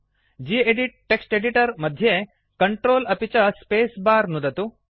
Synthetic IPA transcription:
d͡ʒiːeɖiʈ̚ːeksʈeɖiʈɐɾmɐd̪ʱje | kɐɳʈɾoːlɐpit͡ʃɐspeːsbaːɾnud̪ɐt̪u

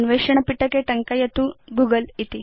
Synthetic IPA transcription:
nʋeʂɐɳ̃ɐpiʈɐkeʈɐŋkajɐt̪uɡuɡəlit̪i

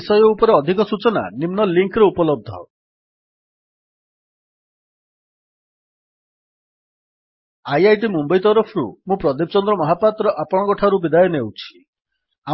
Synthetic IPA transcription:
sɔjɔupɔɾeɔd̪ʱikɔsut͡ʃɔna̰nimnɔliŋkɾeupɔlɔb̚d̪ʱɔ̰ | ajajʈ̬imumbɔjt̪ɔɾɔpʰɔɾṵmũpɾɔd̪ip̚t͡ʃɔnd̪ɾɔmɔɦapat̪ɾɔʔapɔɽ̃ɔkɔʈʰaɾubid̪ajɔnewt͡ʃʰi̥ | a

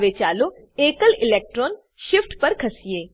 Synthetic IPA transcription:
ʋet͡ʃaːlo | eːkəlɪleːk̚ʈɾoːn | ʃɪfʈpɐɾkʰɐsijeː

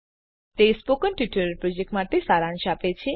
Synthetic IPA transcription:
t̪espokənʈjiʈəɾpɾod͡ʒek̚ʈmaʈesaɾãnʃapet͡ʃʰe

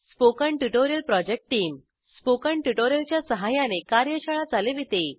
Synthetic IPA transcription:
spokəɳʈuʈoɾijəlpɾɔd͡ʑek̚ʈʈːiːm | spokəɳʈuʈoɾjəlt͡ɕjasəɦajanekaɾjəɕaɭad͡zʱaleʋit̪e

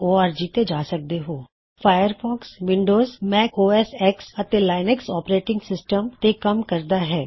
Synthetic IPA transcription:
oːaːɾd͡ʒiːt̪ed͡ʒaːsɐk̚d̪eɦoː | fʰaːjəɾfɔːksʋɪ̃ɳɖoːzmɛːkoːɛːsɛːksɐt̪elaːɪnɛksɔːpɾeːʈɪ̃ŋɡsɪsʈəmt̪ekɐmkɐɾd̪aɦɛː

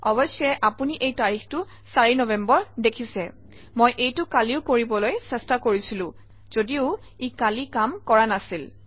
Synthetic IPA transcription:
ɔbɔjsɔɛʔapuniʔejtaɹixtʊ | saɹinɔbɛmbɔɹdekʰisɛ | mojʔejtʊkaliʊkoɹibɔlojsɛstakoɹisilʊ̃ | z̥odiʊ | ikalikamkɔɹanasil

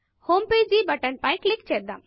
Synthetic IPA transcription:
homped͡ʒibəʈənpajklɪkt͡ʃed̪a̰m

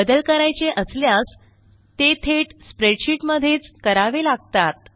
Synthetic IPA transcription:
əd̪əlkəɾajt͡ɕeʔəsljas | t̪et̪ʰeʈspɾeɖɕiʈməd̪ʱːjet͡skəɾaʋelaɡ̚t̪at̪̚

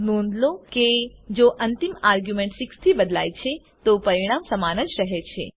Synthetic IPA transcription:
nõnd̪loked͡ʒoʔənt̪imaːɾɡjumẽɳʈsɪkst̪ʰibəd̪lajt͡ʃʰe | t̪opəɾiɽ̃amsəmanə̃d͡ʒɾəɦet͡ʃʰḛ

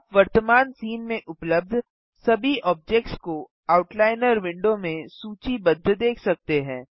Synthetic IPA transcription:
pʋɐɾt̪əmaːnsiːnmẽʔʊpləb̚d̪ʱ | sɐbʱiɔːb̚d͡ʒek̚ʈsko | aːʊʈlaːɪnəɾʋɪ̃ɳɖõmẽsuːt͡ʃibɐd̪ʱːd̪eːkʰsɐk̚t̪eɦɛ̃ː

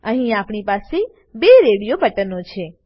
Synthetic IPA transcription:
əɦĩapɳ̃ipase | beɾeɽijobʱəʈənot͡ʃʰe

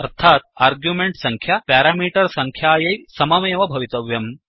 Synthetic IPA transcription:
ɐɾt̪ʰaːt̪̚aːɾɡjumeɳʈsɐŋkʰjapaːɾaːmiːʈɐɾsɐŋkʰjaːjɐjsɐmɐmɐjɐʋɐbʱɐʋit̪ɐʋjɐm

